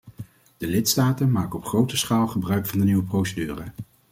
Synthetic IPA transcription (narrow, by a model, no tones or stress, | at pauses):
d̥əlɪtstaːtənmaːkəɔpχrowtəsχaːlˠχəbrœɥkfɑndəniwəprowsədyːrə